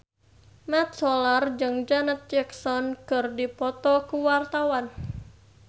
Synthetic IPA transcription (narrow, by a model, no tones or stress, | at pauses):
mat̪̚sɔlard͡ʒɨŋd͡ʒanat̪̚d͡ʒɛksɔnkɨrdipɔt̪ɔkuwart̪awan